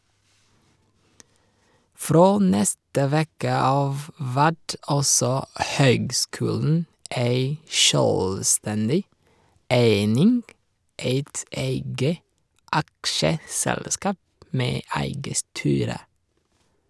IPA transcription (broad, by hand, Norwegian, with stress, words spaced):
ˈfɾoː ˈnɛstə ˈʋeːkə ˈɑːʋ ˈʋæt ˈɑlsɔ ˈhøːɡˌskʉːln̩ ˈæɪ ˈʃœlˌstɛndɪ ˈeɪnɪŋɡ ˈeɪt ˈeɪɡə ˈʔɑkʃəˌsɛlˌskɑːp ˈmeː ˈæɪɡə ˈstyːɾə